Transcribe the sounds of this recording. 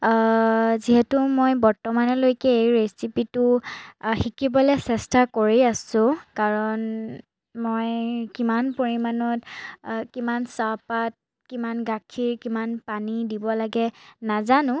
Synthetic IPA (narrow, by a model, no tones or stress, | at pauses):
ziɦɛtumojbɔɹtɔmanɔlojkɛejɹesipitʊ | xikibɔlɛsɛstakoɹiasʊ̃kaɹɔn | mojkimanpoɹimanɔtkimansapat̚ | kimanɡakʰiɹkimanpanidibɔlaɡɛnazanʊ̃